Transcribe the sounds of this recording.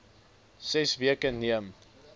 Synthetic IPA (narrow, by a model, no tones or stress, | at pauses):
sɛsviəkəniəm